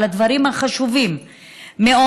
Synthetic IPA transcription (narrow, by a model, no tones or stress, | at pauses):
lad̪vaɾimhaχaʃuvimː | eo